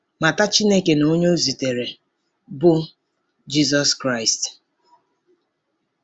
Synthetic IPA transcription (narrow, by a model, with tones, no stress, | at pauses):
ma˨ta˦t͡ʃi˦ne˦ke˨no˦ɲo˦zi˨te˨ɾe˨ | bʊ˦ | d͡ʒi˦zɔ˦skɾa˦˨ɪ˨st